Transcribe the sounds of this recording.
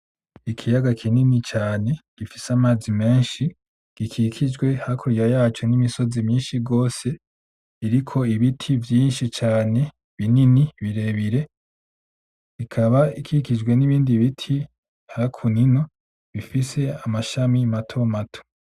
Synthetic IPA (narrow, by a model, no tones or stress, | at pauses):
ikʰijaɡakʰininit͡ʃaːne̞ɡ̥ifisamaːzime̞ːnʃi | ɡ̥ikʰikʰid͡ʒɡwe̞hakʰuɾijajaːt͡ʃo̞nimiso̞zimɲiːnʃiɡo̞ːse̞ | iɾikʰo̞iβitʰivjiːnʃit͡ʃaːne̞ | βininiβiɾe̞βiɾe̞ | ikʰaβaikʰikid͡ʒɡwe̞niβiːndiβitʰi | hakʰunino̞ | βifise̞amaʃamimatʰo̞matʰo̥